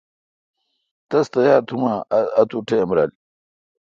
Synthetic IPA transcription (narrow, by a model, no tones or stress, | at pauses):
t̪ɐst̪ɐjaːɾt̪ʰumaːɐt̪uʈʰeɐmɾa̰ːli